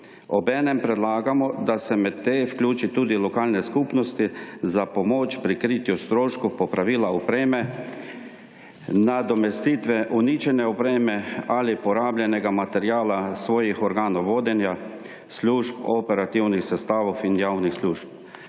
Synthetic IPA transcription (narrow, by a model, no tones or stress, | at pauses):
ɔbɛːnɛmpɾɛd̪laːɡamɔd̪asɛmɛt̪ːeːfklʲuːt͡ʃit̪uːd̪ilɔkaːlnɛskuːpnɔst̪izapɔmoːt͡ʃpɾikɾiːt̪just̪ɾoːʃkupɔpɾaʋiːlaɔpɾeːmɛ | nad̪ɔmɛst̪iːt̪ʋɛʔunit͡ʃɛnɛɔpɾeːmɛalipɔɾaːblʲjɛnɛɡamat̪ɛɾjaːlasʋɔːjixɔɾɡaːnɔwʋoːd̪ɛnja | sluːʃpopɛɾat̪iwnixsɛst̪aːʋofinjaːwnixsluːʃp̚